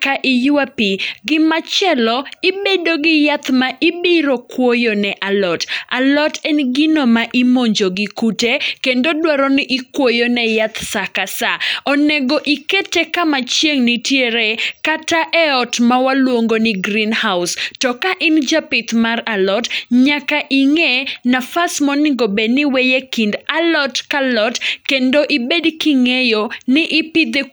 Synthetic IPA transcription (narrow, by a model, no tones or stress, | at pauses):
kaʔɪjuapiɡɪmat͡ʃɛlɔɪbedoɡɪjat̪maʔɪbɪɾokwojonɛʔalɔta̰lɔtɛnɡɪnomaʔɪmoɲd͡ʒoɡɪkutekendodwaɾɔnɪʔɪkwojonɛjat̪sakasaɔnɛɡoʔɪketekamat͡ʃjeŋnɪtjeɾekataʔɛɔtmawalwoŋɡonɪɡɾinhaʊstɔkaʔɪnd͡ʒapɪt̪maralɔtɲakaʔiŋenafasmɔnɪɡobenɪwejekindalɔtkalɔtkendoʔibedkiŋejonɪʔɪpɪd̪e